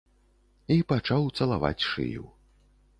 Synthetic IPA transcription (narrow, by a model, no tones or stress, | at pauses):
ipat͡ʂawt̪sɐlˠa̰va̰t͡sʲʂɨ̰jṵw